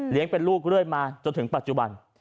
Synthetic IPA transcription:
li˨˦əŋpe˧nluː˥˩k̚ɾɯ˥˩əjmaː˧t͡ɕo˧nt̪ʰŋpa˨˩t̪̚t͡ɕu˨ba˧n

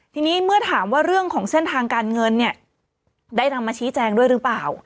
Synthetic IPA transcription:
t̪ʰiː˧niː˦˥mɯ˥˩ɐt̪ʰaː˩˦mwaː˥˩ɾɯ˥˩əŋkʰɔː˩˦ŋse˥˩nt̪ʰaː˧ŋkaː˧nŋɤ˧nːi˥˩ɐ | daː˥˩jna˧mːaː˧t͡ɕʰiː˦˥t͡ɕɛː˧ŋdu˥˩əjɾɯː˦˥plaː˨˩w

